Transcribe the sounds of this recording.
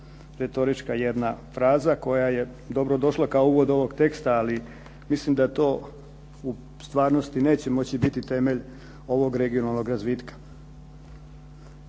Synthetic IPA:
ɾet̪o̞ɾit͡ʃkajed̪nafɾaːzako̞jaje̞ | d̪o̞bɾod̪o̞ʃlˠakaouʋo̞d̪o̞ʋo̞ɡt̪e̞kst̪aːli | mislimd̪at̪o̞ː | u | st̪ʋaːɾno̞st̪ine̞ːt͡ɕe̞mo̞t͡ɕibit̪it̪e̞me̞ʎ | o̞ʋo̞ɡɾe̞ɡio̞nalˠno̞ɡɾazʋiːt̪kḁ

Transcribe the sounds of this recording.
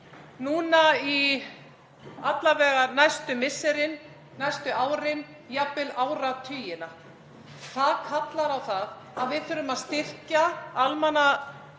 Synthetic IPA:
nuːnai | at̪lavɛːɣanajst̪ʏmɪsːɛɾɪn | najst̪ʏaːwɾɪn | japːɪlaːwɾat̪ʰʏːjɪna | θaðkʰat̪laɾawθað | aðvɪðθʏːɾʏmaðst̪ɪr̥caalmana

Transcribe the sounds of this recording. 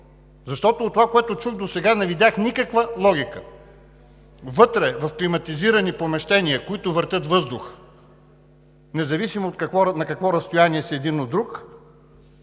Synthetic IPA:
zɐʃt̪ɔt̪oːt̪ːovakoɛt̪ʊt͡ʃuxd̪osɛɡanɛvid̪ʲjaxnikəkvəlˠɔɡʲikə̰ | vɤt̪ɾɛvɐfklimɐt̪iziɾɐnipomɛʃt̪ɛniəkoit̪ʊvəɾt̪ʲət̪vɤzd̪ʊx | nɛzɐvisimoːt̪kɐkvɔnɐkɐkvɔɾɐst̪ojaniɛsiɛd̪inod̪ːɾuk

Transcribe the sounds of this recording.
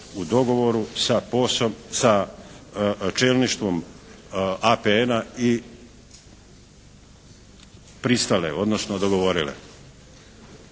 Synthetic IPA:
ud̪o̞ɡo̞ʋo̞ɾusaposomsa | t͡ʃelniʃt̪ʋo̞m | apeenai | pɾist̪alḛo̞d̪nosnod̪o̞ɡo̞ʋo̞ɾilḛ

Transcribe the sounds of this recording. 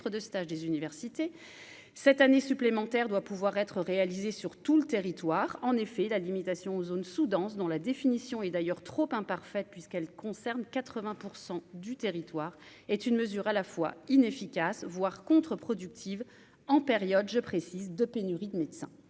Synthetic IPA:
χəd̪əst̪aʒd̪ezynivɛʁsit̪e | sɛt̪anesyplemɑ̃t̪ɛʁd̪wapuvwaʁɛt̪χəʁealizesyʁt̪ulət̪eʁit̪waʁɑ̃nefɛlalimit̪asjɔ̃ozonsud̪ɑ̃sd̪ɔ̃lad̪efinisjɔ̃ɛd̪ajœʁt̪χopɛ̃paʁfɛt̪̚pɥiskɛlkɔ̃sɛʁnkat̪χəvɛ̃puʁsɑ̃d̪yt̪eʁit̪waːʁ | ɛt̪ynməzyʁalafwa̰inefikʲasvwaʁkɔ̃t̪χəpχɔd̪yk̚t̪ʰiv | ɑ̃peʁjɔd̪ʒəpχesizd̪əpenyʁid̪əmed̪sɛ̰̃

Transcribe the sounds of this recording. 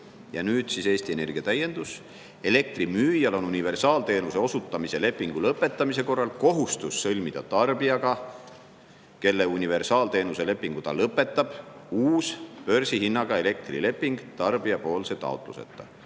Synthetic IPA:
jɑnyːd̪̥sise̞ːst̪ie̞ne̞rɡ̥iɑt̪æje̞nd̪̥us | e̞le̞k̚t̪rimyːjɑlo̞nunive̞rsɑːlt̪e̞ːnuse̞o̞sut̪ːˑɑmise̞le̞pːˑiŋɡ̥ulɤpːˑe̞t̪ːˑɑmise̞ko̞rːɑlko̞ɦust̪usːɤlʲmid̪̥ɑ̰t̪ɑrb̥iɑɡ̥ɑ | ke̞lːeunʲive̞rsɑːlt̪e̞ːnuse̞le̞pːˑiŋɡ̥ut̪ɑ̰lɤpːˑe̞t̪ˑːɑb̥uːspø̞rsihinːɑɡ̥ɑe̞le̞k̚t̪rḭle̞pːiŋɡ̥t̪ɑrb̥iɑpo̞ːlse̞t̪ɑ̰ot̪ˑlṵsḛt̪ːˑɑ

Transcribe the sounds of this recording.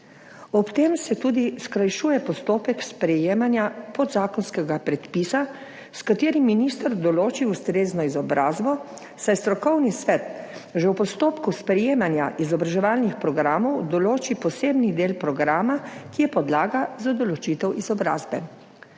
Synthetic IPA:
ɔpt̪emsɛt̪uːd̪iskɾajʃuːjɛpɔst̪oːpɛkspɾɛjeːmanjapɔd̪zaːkɔnskɛɡapɾɛt̪pisa | skat̪eːɾimːinist̪əɾd̪ɔloːt͡ʃiust̪ɾeːznɔizɔbɾaːzbɔ | sajst̪ɾɔkɔwnisʋɛt̪ʒɛwpɔst̪oːpkuspɾɛjeːmanja̰ʔizɔbɾaʒɛʋaːlnixpɾɔɡɾaːmɔwd̪ɔloːt͡ʃipɔseːbnid̪eːlpɾɔɡɾaːmakijɛpɔd̪laːɡazad̪ɔlɔt͡ʃit̪ɛwʔizɔbɾa̰ːzbɛ

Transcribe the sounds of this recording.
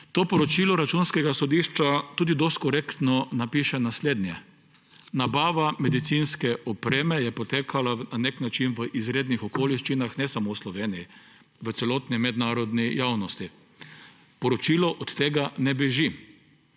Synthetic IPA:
t̪oːpɔɾɔt͡ʃiːlɔɾat͡ʃunskɛɡasɔd̪iʃt͡ʃat̪uːd̪id̪ost̪̚kɔɾeːkt̪nɔnapiːʃɛnasleːd̪nʲjɛ | nabaːʋamɛd̪it̪sinskɛʔɔpɾeːmɛjɛpɔt̪eːkʰalananeknat͡ʃinʋəʔizɾeːd̪nixɔkoːliʃt͡ʃinaxnɛsamowslɔʋeːniji | ʋət̪sɛloːt̪nimɛd̪naːɾɔd̪nijawnɔst̪i | pɔɾɔt͡ʃiːlɔʔɔt̪ːeːɡanɛbɛʒi

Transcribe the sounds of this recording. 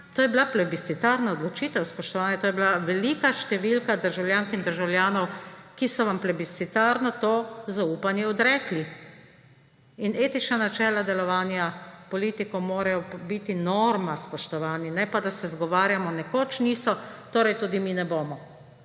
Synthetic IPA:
t̪oːjɛblaplɛbisit̪aɾnaɔd̪lɔt͡ʃiːt̪ɛwspɔʃt̪ɔʋaːnjɛt̪oːjɛblaʋɛlikaʃt̪ɛʋilkad̪əɾʒawljaːŋkind̪əɾʒawljaːnɔwkisɔʋamplɛbisit̪aɾnɔt̪oːzauːpanjɛɔd̪ɾɛkli | ineːt̪it͡ʃnanat͡ʃɛːlad̪ɛlɔʋaːnjapɔlit̪ikɔmoːɾajɔbit̪inoːɾmaspɔʃt̪ɔʋaːninɛpad̪asɛzɡɔʋaːɾjamɔnɛkot͡ʃniːsɔt̪oːɾɛjt̪uːd̪iminɛboːmɔ

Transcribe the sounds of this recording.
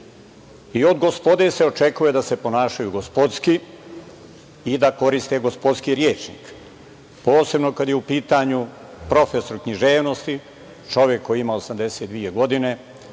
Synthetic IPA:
io̞d̪ɡospo̞d̪ese̞o̞t͡ʃe̞kuje̞d̪ase̞po̞naːʃajuɡospo̞d̪ski | id̪ako̞ɾist̪e̞ɡo̞spo̞d̪skiɾjeːt͡ʂnḭk | po̞ːse̞bno̞kad̪jeupiːt̪aɲu | pɾo̞feso̞ɾkɲiʒe̞ːʋno̞st̪i | t͡ʃo̞ʋjekːo̞jiimaosamd̪e̞set̪d̪ʋije̞ɡo̞d̪ine̞

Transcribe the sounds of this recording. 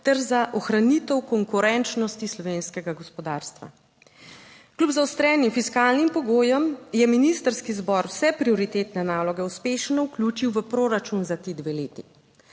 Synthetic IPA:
t̪ɛɾzaʔɔxɾanit̪əwkɔŋkuɾɛnt͡ʃnɔst̪islɔʋeːnskɛɡaɡɔspɔd̪aːɾst̪ʋa̰ | klʲupzawst̪ɾɛːnimfiskaːlnimpɔɡoːjɛmjɛminist̪əɾskizbɔɾwsɛpɾiɔɾit̪eːt̪nɛnaːlɔɡɛuspeːʃnɔwklʲuːt͡ʃiwʋəpɾoːɾat͡ʃunzat̪eːd̪ʋeleːt̪i

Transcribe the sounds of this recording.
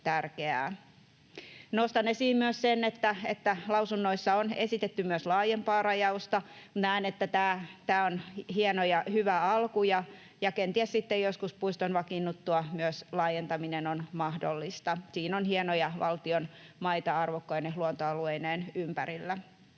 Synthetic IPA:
t̪ærkeæ̰ː | nost̪ɑnːesiːmmyøssenːet̪ːæḛt̪ːælɑusunːoisːɑonesit̪et̪ːymyøslɑːjempɑːrɑjɑust̪ɑ | unæːnet̪ːæt̪æːt̪æːonhienojɑhyʋæɑlkujɑ | jɑkent̪iæssit̪ːejjoskuspuist̪onʋɑkinːut̪ːuɑmyøslɑːjent̪ɑminenonmɑhdo̰lːist̪ɑsiːnonhienojɑʋʔɑ̰lt̪ionmɑit̪ɑɑrʋokːojneluont̪oɑlueineːnympæɾilːæ

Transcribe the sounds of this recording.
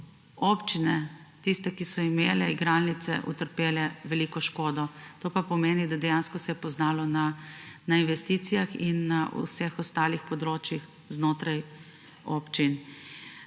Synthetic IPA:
oːpt͡ʃinɛt̪ist̪ɛkisɔimeːlɛiɡɾalnit̪sɛʔṵt̪əɾpeːlɛʋɛliːkɔʃkoːd̪ɔt̪oːpapɔmeːnid̪ad̪ɛjanskɔsɛjɛpɔznaːlɔnanainʋɛst̪it̪sijaxinːaʔṵsɛxɔst̪aːlixpɔd̪ɾoːt͡ʃjix | znoːt̪ɾaj | oːpt͡ʃin

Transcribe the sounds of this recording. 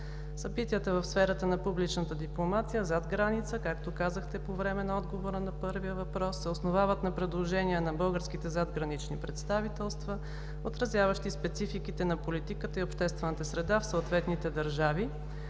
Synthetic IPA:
sɐbit̪iət̪əvəfsfɛɾət̪ənɐpublit͡ʃnət̪əd̪iplˠomat̪ijəzad̪ɡɾanit̪səkakt̪okazəxt̪ɛpovɾɛmɛnɐɔd̪ɡovoɾənɐpɤɾviəvɐpɾɔsːɛosnovavət̪nɐpɾɛd̪lˠoʒɛniənɐbɤlˠɡəɾskit̪ɛzad̪ɡɾɐnit͡ʃnipɾɛt̪st̪avit̪ɛlˠst̪və | ot̪ɾɐzʲjavəʃt̪ispɛt̪sifikit̪ɛnɐpolit̪ikət̪əiopʃt̪ɛst̪vɛnət̪əsɾɛd̪afsoot̪vɛt̪nit̪ɛd̪ɐɾʒavi

